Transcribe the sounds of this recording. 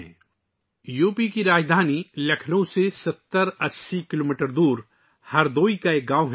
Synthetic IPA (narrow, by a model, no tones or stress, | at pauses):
juːpikiɾaːd͡ʒd̪ʱaːnilɐkʰnõsesɐt̪ːəɾɐsːikɪloːmiːʈəɾd̪uːɾ | hɐɾd̪oːikaeːk̚ɡãːwɦ